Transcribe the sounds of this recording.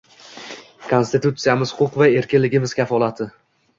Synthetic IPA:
kʰonst̪ɪt̪ut̪sijamɪzhʊʊqvae̞ɾkʲɪnlɪɡʲɪmɪz̥kʲʰafɒlˠat̪ʰɪ

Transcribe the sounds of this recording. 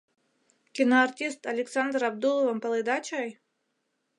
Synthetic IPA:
kʲinoɐrtʲist̪ɐlʲɪksand̪rɐbd̪ulˠɔvɐmpɐlˠɨd̪at͡ɕaj

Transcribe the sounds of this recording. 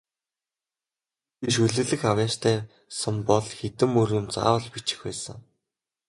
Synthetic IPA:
pʲiʃɵɮɘ̆ɣɮɘ̆xawjaːst̪ʰæː | sə̆mpɔɮxet̪ɘ̆mːɵɾɘ̆mt͡sa̰ːɔɮpit͡ɕɪ̥̆xpæːsə̆ŋ

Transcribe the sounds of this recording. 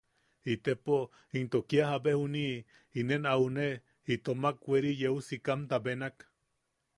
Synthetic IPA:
it̪epo | int̪okiaɦabehuni | inenaune | it̪omakweɾijeusikamt̪abenak

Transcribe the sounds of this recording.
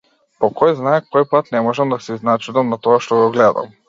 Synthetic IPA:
pɔkɔjznaɛkkːɔjpat̪nɛmɔʒɛmd̪asɛiznat͡ʃud̪amnat̪ɔaʃt̪ɔɡɔɡlɛd̪a̰m

